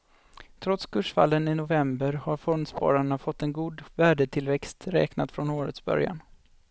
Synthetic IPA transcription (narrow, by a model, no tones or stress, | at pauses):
t̪ʰɾɔt̪skʰɵʂfa̰lːənɪnʊvɛmbəɾhaɾfɔnd̪spɑ̰ːɾaɳafɔt̪ːɛnɡuːd̪væːɖət̪ʰɪlvɛkst̪ɾɛ̰ːknat̪fɾɔnoːɾə̰t̪sbœ̰ɾja̰n